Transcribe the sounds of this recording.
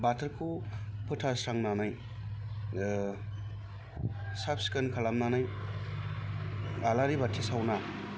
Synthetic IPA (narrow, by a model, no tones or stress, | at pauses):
batʰɯɾkʰupʰɯtʰasɾaŋnanaj | sap̚si̥kɯnkʰalamnanaj | alaɾibatʰisawna